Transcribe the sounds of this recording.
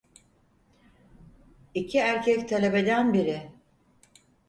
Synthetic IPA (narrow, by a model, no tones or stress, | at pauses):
icʰiæɾcʰɛct̪ʰalʲebe̞d̪ænbiɾɪ